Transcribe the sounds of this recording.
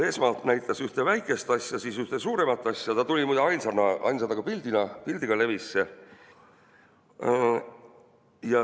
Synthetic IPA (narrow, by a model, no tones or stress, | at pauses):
e̞ːsmɑːlt̪næjt̪ˑːɑsyht̪e̞væjkˑe̞st̪ɑsjɑsisyht̪e̞suːɾe̞mɑt̪ːˑɑsʲjɑt̪ɑt̪ulʲimujd̪ɑɑjnsɑnɑɑ̰jnsɑd̪ɑɡ̥ɑpild̪̥inɑpilʲd̪̥iɡ̥ɑle̞visːe | jɑ